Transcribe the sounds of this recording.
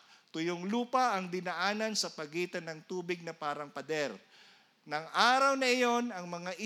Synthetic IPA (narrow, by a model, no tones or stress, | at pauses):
t̪ʊjoŋluːpɐʔɐŋd̪ɪnɐʔaːnɐnsɐpɐɡiːt̪ɐnɐŋt̪uːbɪɡ̚nɐpaːɾɐŋpɐd̪ɛɾ | nɐŋʔaːɾɐwnɐɪjo̞nɐŋmɐŋaʔɪ